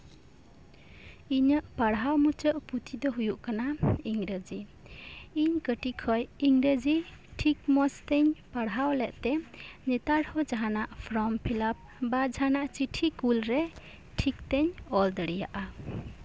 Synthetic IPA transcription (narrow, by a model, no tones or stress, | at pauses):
iɲəʔpaɽɦawmut͡ʃɔʔput̪ʰid̪ɔɦujuʔkanaiŋɾəd͡ʒi | iɲkəʈikʰɔjiŋɾəd͡ʒiʈʰik̚mɔst̪ɛɲpaɽɦawlɛʔt̪ɛnɛt̪aɾhɔd͡ʒaɦanaʔpʰɾɔmpʰilap̚bad͡ʒanaʔt͡ʃiʈʰikulɾɛ | ʈʰik̚t̪ɛɲɔld̪əɽija̰ʔa